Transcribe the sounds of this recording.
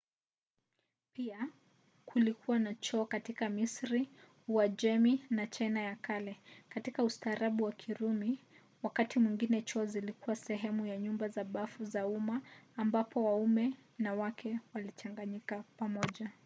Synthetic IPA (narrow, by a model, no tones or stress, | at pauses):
pia | kʰulikʰuwanat͡ʃɔːkatikamisɾi | wad͡ʒɛminat͡ʃajnajakalɛkatikaustaːɾaɓuwakʰiɾumi | wakatimwiŋɡinɛt͡ʃɔːzilikuwasɛɦɛmujaɲumbazaɓafuzaumaːmbapɔwaumɛnawakʰɛwalit͡ʃaŋɡaɲikapamɔʄa